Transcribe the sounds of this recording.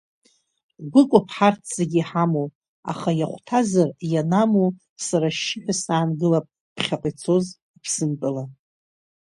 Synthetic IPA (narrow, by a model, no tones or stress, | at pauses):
ɡʷʊkʷʼʊpʰħartʰz̥eɡʲiħamo | a̰χajaχʷtʰazarjanamo | saɾaʃːɪħʷᶣasaːnɡɨlapʼ | pʰχʲaqʼit͡sʰo̞z | ipʰsɨmpʼɨla